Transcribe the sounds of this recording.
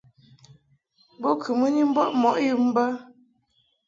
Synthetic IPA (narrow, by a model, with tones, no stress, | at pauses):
bo˦kʰɨ˨mu˦ni˦m̩˦bɔ˦ʔmɔ˨ʔji˦m̩˦bə˦